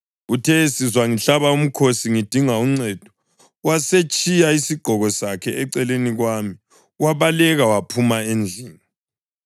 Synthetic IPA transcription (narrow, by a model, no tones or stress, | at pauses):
ɣutʰɛsizwaŋiɬaβaum̩kʰosiŋid̥ʱiŋauŋ͡ǀɛd̥ʱɔ̥ | waset͡ʃʼijaisiɡ͡ǃ̥ʱɔɣɔsakʰɛʔɛǀɛleniɣwami | waβalɛɣawapʰumaend͡ɮʱiːŋa